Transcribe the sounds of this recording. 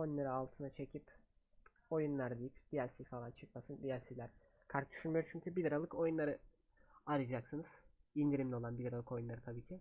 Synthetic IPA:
ojunˠaɾɯalˠt̪ʰɯnat͡ʃʰe̞cʰip | o̞junlˠaɾd̪ejipd̪ijæɾsifalˠant͡ʃʰɯk̚masɯnd̪ijæɾsilʲæɾ | kʰaɾk̚d̪y̥ʃynmijo̞ɾt͡ʃʰyɲcʰybilʲiɾalˠɯkʰo̞junlˠaɾɯ | aɾɯd͡ʒaksɯnɯz̥ind̪iɾimd̪ʲɛo̞lˠanbilʲaɾalˠɯko̞junˠaɾɯt̪ʰabiːcʰɪ

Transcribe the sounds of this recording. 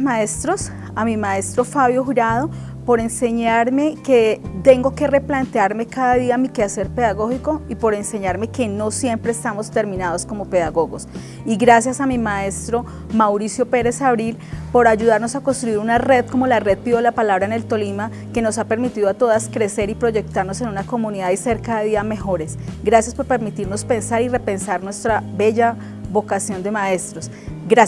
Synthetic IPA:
mae̞st̪ɾo̞s | amimae̞st̪ɾo̞faβjo̞xuɾað̞o̞ | po̞ɾe̞nse̞ɲaɾme̞ke̞t̪e̞ŋɡo̞ke̞re̞plant̪eaɾme̞kaðaðiamikease̞ɾpe̞ðaɣo̞xiko̞ipo̞ɾe̞nse̞ɲaɾme̞ke̞no̞sje̞mpɾeːst̪amost̪e̞ɾmĩnaðo̞sko̞mo̞pe̞ðaɣo̞ɣo̞s | iɣɾasjasamimae̞st̪ɾo̞ | mawɾisjo̞pe̞ɾe̞saβɾilpo̞ɾaʝuðaɾno̞sakonst̪ɾuiɾunare̞ðko̞mo̞lare̞ð̚piðolapalaβɾaene̞lt̪o̞lima | ke̞no̞sape̞ɾmit̪iðoat̪o̞ðaskɾe̞se̞ɾipɾo̞ʝe̞k̚t̪aɾnose̞nunako̞muniðaðise̞ɾkaðeβiðame̞xo̞ɾe̞sɡɾasjaspo̞ɾpe̞ɾmit̪iɾno̞spe̞nsaɾire̞pe̞nsaɾnwe̞st̪ɾaβe̞ʝa | βo̞kasjo̞nd̪e̞mae̞st̪ɾo̞s | ɡɾa

